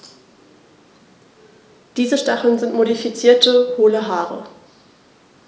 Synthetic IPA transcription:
d̥iːzəʃtaχl̩nzɪntmodifit͡siːɐtəhoːləɦaːʁə̰

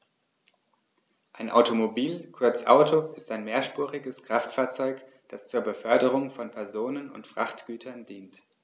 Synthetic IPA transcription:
ʔaɪnʔa̰ʊtomobiːlkʰʊɐt͡sʔa̰ʊtʰoɪstaɪnmeːɐʃpuːʁɪɡəskʁ̥aftfaːɐt͡sɔʏk | d̥ast͡suːɐbəfœɐdəʁ̞ʊŋfɔnpʰɛɐzoːnənʊ̰ntfʁ̥a̰χtɡ̥yːtʰɐndiːnt

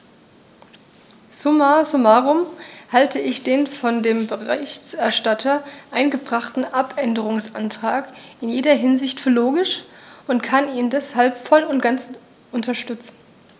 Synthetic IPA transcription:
sumasʊmaʁʊmhaltʰəɪçd̥eːnfɔndeːmbəʁɪçt͡sɛɐʃtatʰɐʔaɪnɡəbʁaχtn̩ʔapʔɛndəʁ̞ʊŋsʔa̰ntʁ̥aːkʔɪnjeːdɐɦɪnzɪçtfyːɐloːɡɪʃ | ʊntkʰaniːndɛshalpfɔlʊntɡ̥ant͡s | ʔʊntɐʃtʏt͡sn̩

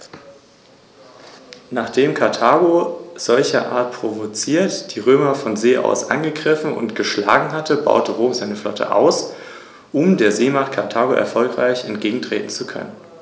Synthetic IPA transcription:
naːχd̥eːmkʰaɐtʰaːɡoz̥ɔlçɐʔa̰ːɐt̚pʁ̥ovot͡siːɐtd̥iːʁøːmɐfɔnzeːʔa̰ʊsʔa̰nɡəɡʁɪfn̩ʊ̰ntɡ̥əʃla̰ːɡŋ̩ɦatʰəba̰ʊtəʁoːmzaɪnəflɔ̰tʰə̰ʔa̰ʊs | ʔʊmdeːɐzeːmaχt̚kʰaɐtʰaːɡoʔɛ̰ɐfɔlkʁ̥aɪçɛntɡ̥eːɡŋ̩tʁ̥ḛːtn̩t͡sukʰœ̰nən

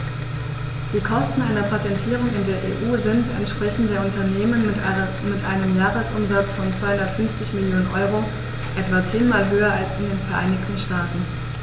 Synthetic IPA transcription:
d̥iːkʰɔstn̩ʔaɪnɐpʰatɛntʰiːʁʊŋɪndeːɐʔḛːʔuːzɪntɛ̰ntʃpʁ̥ɛçn̩deːɐʊntɐneːmən | mɪtʔaɪnəmjaːʁəsʔʊmzat͡sfɔnt͡sv̥aɪhʊndɐtfʏnft͡sɪçmɪljoːnənʔɔʏʁ̞o | ʔɛtv̥at͡seːnmaːlɦøːɐalsɪndeːnfɛɐʔaɪnɪçtn̩ʃtaːtn̩

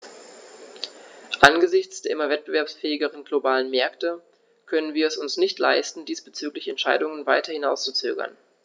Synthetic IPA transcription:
ʔanɡəzɪçt͡sd̥eːɐʔɪmɐvɛt̚b̥əvɛɐpsfɛːɪɡəʁ̞ənɡlobaːlənmɛɐktə | kʰœnənviːɐɛsʊnsnɪçtla̰ɪstn̩diːsb̥ət͡syːklɪçɛntʃaɪdʊŋənvaɪtɐhɪnaʊst͡sut͡sø̰ːɡɐ̰n

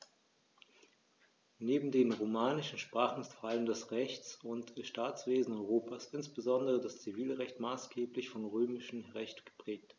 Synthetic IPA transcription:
neːbm̩deːnʁomaːnɪʃn̩ʃpʁ̥aːχn̩ɪstfɔɐʔaləmdɛsʁɛçt͡sʊntʃtaːt͡sv̥eːzn̩ɔʏʁoːpaːsʔɪnsb̥əzɔndəʁədast͡siviːlʁɛçtmaːsɡ̥eːplɪçfɔnʁøːmɪʃn̩ʁɛçtɡ̥ə̥pʁ̥ɛːk̚t

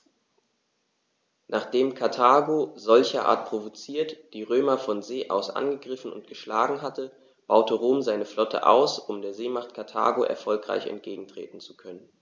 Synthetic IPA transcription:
naːχd̥eːmkʰaɐtʰaːɡozɔlçɐʔa̰ːɐt̚pʁ̥ovot͡siːɐtd̥iːʁøːmɐfɔnzeːʔa̰ʊsʔa̰nɡəɡʁɪfn̩ʊ̰nt̚ɡ̥əʃlaːɡŋ̩ɦatə | b̥aʊtəʁoːmzaɪnəflɔtʰə̰ʔa̰ʊsʊmdeːɐzeːmaχt̚kʰaɐtʰa̰ːɡoʔɛ̰ɐfɔlkʁ̥a̰ɪçɛ̰nt̚ɡ̥eːɡŋ̩tʁ̥ḛːtn̩t͡su̥kʰœnən

